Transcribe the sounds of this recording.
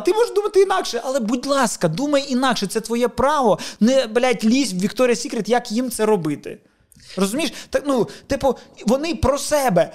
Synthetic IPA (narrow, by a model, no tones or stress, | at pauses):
t̪ɪmɔʒʒd̪umɐt̪ɪinɑkʃɛʔɐlˠɛbudʲlˠɑskɐd̪umɐjinɑkʃɛt̪sɛt̪ʋɔjɛpɾɑʋɔnɛbɪlʲajtʲlʲizʲbʋʲikt̪ɔɾʲɪjɐsʲikɾʲɪt̪jɐkjimt̪sɛɾɔbɪt̪ɪ̰ | rɔzʊmʲijʃt̪ɑknut̪ɪpʊʋɔnɪpɾɔsɛbɛ